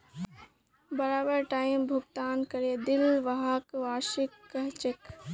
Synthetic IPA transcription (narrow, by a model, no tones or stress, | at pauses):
bəɾaːbəɾʈaːɪmbʱʊɡt̪aːnkəɾed̪ɪlʋaɦakʋaːʃɪkːəɦt͡ʃɪk